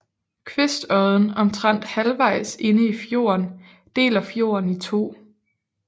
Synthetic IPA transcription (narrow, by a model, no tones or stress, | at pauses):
kʰʋe̝sd̥ɒðˠn̩ɒ̽mt͡sʰʁan̰d̥hælʋɑ̈ɪ̰se̝nəifjo̝̰ːɐn | d̥e̝̰ːlɐfjo̝̰ːɐnit͡sʰo̝̰ː